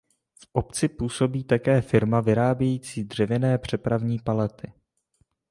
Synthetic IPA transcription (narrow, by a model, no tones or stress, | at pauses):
fʔo̞pt͡sɪpuːso̞biːt̪akɛːfɪɾmavɪɾaːbjɛjiːt͡siːdr̝ɛvɪnɛːpr̝̥ɛpɾavɲiːpalɛt̪ɪ